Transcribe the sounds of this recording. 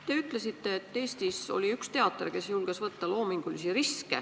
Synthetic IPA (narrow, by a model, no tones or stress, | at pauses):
t̪e̞yt̪ˑle̞sit̪ːe̞ːt̪ːe̞ːst̪iso̞̰lʲiykst̪e̞ɑt̪ːˑerke̞sjulɡ̥esvɤt̪ːɑlo̞ːmiŋɡ̥ulisiɾiskḛ